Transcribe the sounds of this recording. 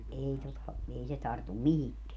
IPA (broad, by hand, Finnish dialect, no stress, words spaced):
ei totɑ ei se tɑrtum mihikːeæ